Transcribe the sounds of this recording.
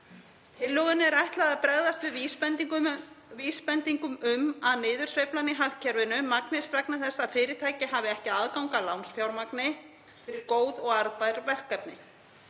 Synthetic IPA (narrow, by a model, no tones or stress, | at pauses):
t̪ʰɪlːœɣɪnɪɛɾajht̪laðapɾɛɣðast̪vɪðvispɛnt̪iŋvispɛnt̪iŋkʏmʏmaðnɪːðʏɾ̥svejplanɪɦahcʰːɛɾvɪnʏmaknɪst̪vɛknaθɛsːafɪːɾɪɾ̥t̪ʰaːjcɪɦaːvɪɛhcɪaðkawŋkalawnsfjawlmaknɪ | fɪɾɪɾkoːwðɔɣaɾðpajɾvɛr̥kːap̚nɪ